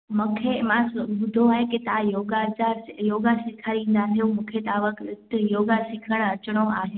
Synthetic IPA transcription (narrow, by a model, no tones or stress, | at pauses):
məkʰemãsbʊd̪ʱoɦaeket̪ajoɡad͡ʒajoɡasɪkʰaɾĩnd̪aɦjõmukʰet̪aʋəkɪt̪joɡasɪkʰəɳ̃ət͡ʃɽ̃oaɦe